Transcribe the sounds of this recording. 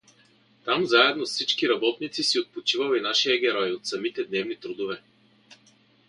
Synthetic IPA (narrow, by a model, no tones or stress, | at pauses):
t̪amzaɛd̪nofsit͡ʃkiɾɐbɔt̪nit̪sisiot̪̚pot͡ʃivəlɛinaʃijəɡʲɛɾɔjot̪sɐmit̪ɛd̪nɛvnit̪ɾud̪ovɛ